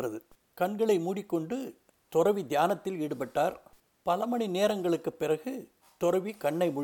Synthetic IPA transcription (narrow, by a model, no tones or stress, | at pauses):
rɐðɯ | kɐɳɡɐɭɐɪmuːɽɪkːɔɳɖɯ | t̪ɔɾɐʋid̪jaːnɐt̪ːɪliɽɯpɐʈːaːɾ | pɐlɐmɐɳineːɾɐŋɡɐɭɯkːɯpːɪrɐɣɯ | t̪ɔɾɐʋikɐɳːɐɪmʊ